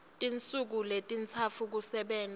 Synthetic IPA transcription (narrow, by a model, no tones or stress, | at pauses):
tʼint͡sʼuk̬uletʼint͡sʰafʰuk̬usɛɓɛːn